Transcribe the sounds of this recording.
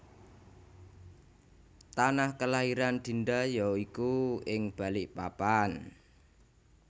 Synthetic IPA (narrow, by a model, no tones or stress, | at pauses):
t̪anahkəlaɦiɾand̪̥i̤ndajɔikuɪŋb̥a̤lɪʔpapan